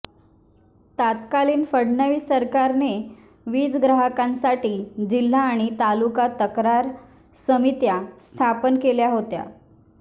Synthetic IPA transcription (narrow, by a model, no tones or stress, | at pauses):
t̪at̪kaliːnfəɽnəʋiːsəɾkaɾne | ʋiːd͡zɡɾaɦəkãnsaʈiːd͡ʑil̤ːaːɽ̃it̪alukat̪əkɾaɾ | səmit̪jast̪ʰapənkeljaɦot̪ja̰